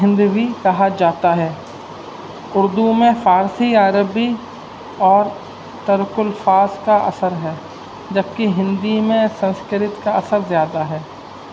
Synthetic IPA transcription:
ɦɪ̃nd̪wikɐɦad͡ʒaːt̪aɦɛː | ʊɾd̪umẽfaːɾsiaːɾəbi | ɔːɾ | t̪ɐɾəkʊlfaːzkaʔɐ̰səɾɦɛː | d͡ʒɐb̚kiɦɪ̃nd̪imẽsɐ̃nskəɾɪt̪kaɐsəɾzjaːd̪aɦɛː

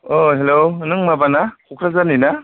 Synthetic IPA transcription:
oɦeloɯnɯŋmabanakʰukʰɾazanina

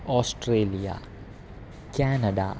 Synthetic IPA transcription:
ɔːsʈɾeːlija̰ | kaːnɐɖ̪a̰

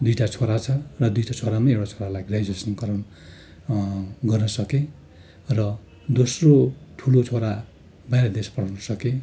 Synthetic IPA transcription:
d̪ujʈat͡sʰoɾat͡sʰʌrʌd̪ujʈat͡sʰoɾamaewʈat͡sʰoɾalajɡrajd͡zesʌnkʌɾʌn | ɡʌrnʌsʌke | rʌ | d̪osroʈʰulot͡sʰoɾa | bʱajɾad̪espʌɽ̤awnʌsʌke

